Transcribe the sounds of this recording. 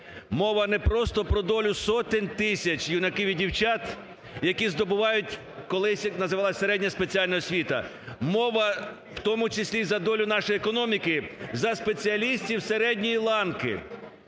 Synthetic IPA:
mɔʋɐnɛpɾɔst̪ɔpɾɔd̪ɔlʲʊsɔt̪ɪnʲt̪ɪsʲɐt͡ʃʲjinɐkɪʋʲidʲiwt͡ʃɑt̪ | jɐkʲizd̪ɔbʊʋɑjʊtʲ | kɔlˠɪsʲnɐzɪʋɑlˠɐseɾɛdʲnʲɐspet͡sʲiɑlʲnɔɔsʲʋʲit̪ɐ̰ | mɔʋɐ | w̥t̪ɔmʊt͡ʃɪsʲlʲizɐd̪ɔlʲʊnɑʃɔjekɔnɔmʲikɪzɐspet͡sʲiɐlʲisʲtʲiwseɾɛdʲnʲijilˠɑnkɪ̰

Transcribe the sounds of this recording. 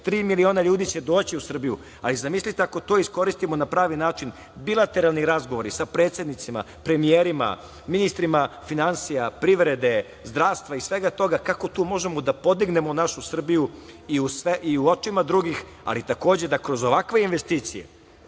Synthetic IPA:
t̪ɾiːmilio̞ːnaʎuːd̪it͡ɕe̞d̪o̞ːt͡ɕiusr̩bijṵ | alizamislit̪eako̞t̪oisko̞ɾist̪imo̞napɾaːʋinaːt͡ʃin | bilˠat̪e̞ɾalˠniɾazɡoʋo̞ɾisapɾet̪sjed̪nit̪sima̰ | pɾe̞mijeːɾima̰ | minist̪ɾimafinansijapɾiʋɾe̞d̪e̞ | zd̪ɾaːʋst̪ʋaisʋe̞ɡat̪o̞ɡakako̞t̪uːmo̞ʒemo̞d̪apo̞d̪iɡne̞monaʃusr̩biju | iusʋeʔiuot͡ʃimad̪ɾuɡix | a̰lit̪ako̞ːd͡ʑed̪akɾo̞zo̞ʋakʋe̞inʋe̞st̪iːt̪sijḛ

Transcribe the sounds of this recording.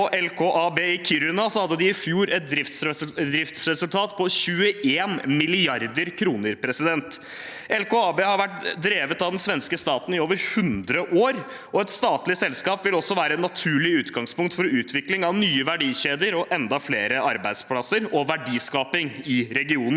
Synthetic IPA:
ɔʔɛlkʰoːʔɑːbeːɪkʰyɾʉnɑsɔhɑd̪ːəd̪ɪɪfjuːɾɛt̪̚d̪ɾɪft̪sd̪ɾɪft̪sɾɛsʉlt̪ʰɑːt̪pʰɔɕʉːəeːnmɪlɪɑɾd̪əɾkʰɾuːnəɾpʰɾɛsɪd̪ɛnt̪ | ɛlkoːɑːbeːhɑɾʋæʈd̪ɾeːʋət̪ɑʋd̪ɛnsʋɛnskəst̪ɑːt̪n̩ɪoːʋəɾhʉnd̪ɾəʔoːɾ | ɔɛt̪st̪ɑːt̪lɪsɛlskɑːpʋɪlɔsːɔʋæːɾəɛnɑt̪ʰʉːɭɪʉːt̪ɡɑŋspʊŋk̚t̪fɔɾʉːt̪ʰʋɪklɪŋɑʋnyːəʋæɖiːɕeːd̪əɾɔʔɛnd̪ɑfleːɾəɑɾbæɪd̪spʰlɑsəɾɔʋæɖiːskɑːpɪŋɪɾɛɡɪuːnn̩

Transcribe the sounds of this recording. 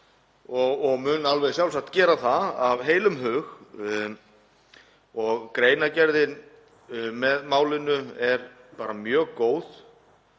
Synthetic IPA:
ɔɣɔɣmʏːnalvɛðsjawlsak̚t̪cɛːɾaθaðavɦeːjlʏmɦʏːɣ | ɔɣkɾeːjnacɛɾðɪn | mɛðmaːwlɪnʏɛɾ | paːɾamjœːɣkoːwð

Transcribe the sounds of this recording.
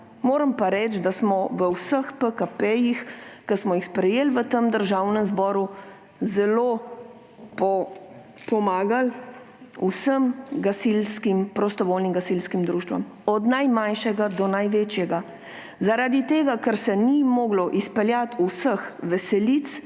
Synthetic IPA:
moːɾəmpaɾɛt͡ʃd̪asmɔʋəwsəxpəkapɛjixkəsmɔjixspɾɛjelʋət̪əmd̪əɾʒaːwnəmzbɔːɾu | zɛlo | pɔ | pɔmaːɡal | usəmɡasilskimpɾɔst̪ɔʋoːlniŋɡasilskimd̪ɾuːʃt̪ʋa̰m | ɔd̪najmanʃɛɡad̪ɔnajʋeːt͡ʃjɛɡa | zaɾad̪it̪eːɡakəɾsɛnimɔːɡlɔʔispɛljat̪usəxʋɛsɛlit̪s

